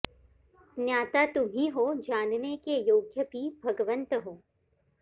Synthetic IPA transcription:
njaːt̪at̪ʊmʱiɦoːd͡ʒaːnnekejoːɡjəbʱibʱɐɡəʋə̃nt̪əɦoː

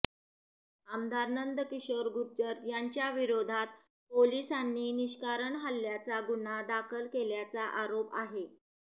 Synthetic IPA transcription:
amd̪aɾnənd̪əkiɕʋəɾɡuɾd͡ʑəɾjaɲt͡ɕjaʋiɾod̪ʱat̪̚ | polisanːiːniɕkaɾəɳɦalːjat͡saɡuɳad̪akʰəlkeljat͡saʔaɾopaɦe

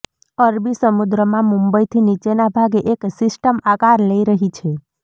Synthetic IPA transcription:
əɾbisəmud̪ɾəmãmũmbəjt̪ʰinit͡ʃenabʱaɡeʔeksɪsʈəmakaɾləiɾəɦit͡ʃʰe

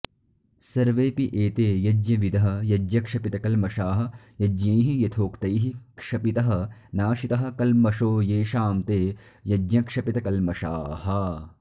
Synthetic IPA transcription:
sɐɾʋeːpiʔeːt̪eːjɐd͡ʒjɐʋid̪ɐɦɐ̆jɐd͡ʒjɐkʂɐpit̪ɐkɐlmɐʃaːɦɐ̆ | jɐd͡ʒjẽːɦijɐt̪ʰoːkt̪ɐjɦikʂɐpit̪ɐɦɐ̆naːʃit̪ɐɦɐ̆kɐlmɐʃoːjeːʃaːmt̪eː | jɐd͡ʒjɐkʂɐpit̪ɐkɐlmɐʃaːhɐ

